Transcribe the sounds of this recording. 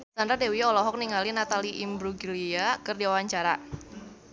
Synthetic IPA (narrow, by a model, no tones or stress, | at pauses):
t̪and̪ɾadewiɔlɔɦɔk̚niŋalinat̪aliʔimbɾuɡiliakɨrdiwawaɲt͡ʃaɾa